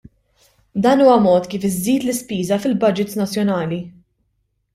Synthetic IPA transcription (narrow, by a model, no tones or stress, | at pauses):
d̪ɐːnuːwɐmɔːt̪kiːfɪzːiːt̪lɪspiːzɐfɪlbɐd͡ʒɪt̪snɐt͡sːjɔnɐːli